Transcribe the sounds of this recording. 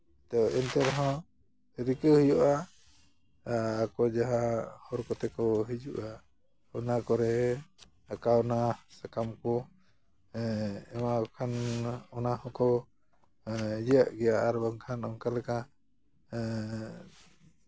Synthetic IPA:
t̪ɔʔɛnt̪ɛɾɦɔ̃ | ɾikəhəjɔʔa | kɔd͡ʒaɦahɔɾkɔt̪ɛkɔɦid͡ʒuʔa | ɔnakɔɾɛ | akawnasakamkɔ | ɛmakʰanɔnahɔ̃kɔ | d͡ʒjaʔɡɛjaʔːɾbaŋkʰanɔŋkalɛka

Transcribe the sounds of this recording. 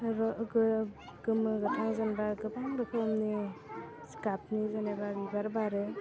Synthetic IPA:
ɾɡ | ɡɯmɯɡɯtʰaŋzanbaɡɯbaŋɾɯpʰomni | skap̚nizanabaɡibaɾbaɾe

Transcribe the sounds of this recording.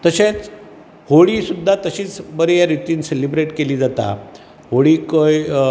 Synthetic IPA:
t̪əɕẽt͡s | hoɽiːsud̪ʱːat̪əɕiːt͡sbəɾejaɾit̪iːnselibɾeʈkeliːd͡zat̪a̰ | ɦoɽiːkoj

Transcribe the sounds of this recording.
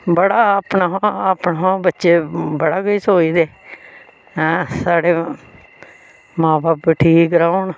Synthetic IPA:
bəɽaːəpnaːəpnaːɦãːbətːʃeːbəɽaːɡəiːsoːiːd̪eː | saːɽeː | mãːbaːpʈʰiːɡəɾaːʊnː

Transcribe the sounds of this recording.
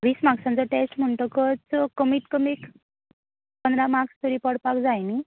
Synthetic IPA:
ʋiːsmaksãnt͡sɔʈesʈm̤əɳʈ̪ɔkət͡skəmiːt̪kəmek | pənd̪ɾamakst̪uɾipəɽpakd͡zajni

